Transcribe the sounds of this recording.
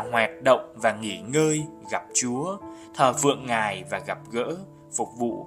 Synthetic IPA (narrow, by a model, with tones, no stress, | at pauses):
hwaː˨˩t̚ɗə̰˧˨wŋ͡mvaː˨˩ŋi˧˩ŋəː˧jɣa˨˩p̚t͡ɕu˨˦ət̪ʰəː˨˩fɨ̰˧˨əŋːaː˨˩jvaː˨˩ɣa˨˩p̚ɣə̰ː˧˥ | fʊ˨˩k͡p̚vṵ˧˨